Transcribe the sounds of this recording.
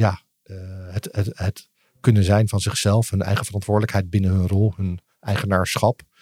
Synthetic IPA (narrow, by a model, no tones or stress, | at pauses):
jaː | ɦətəɦət | kɵnənzɛjnvɑnzɪχsɛlˠfɦɵnʔɛ̰jχəvərɑntʋʊːɹdələkɦɛjd̚bɪnənɦɵnrɔlˠɦɵn | ʔɛjχənaːɹsχɑp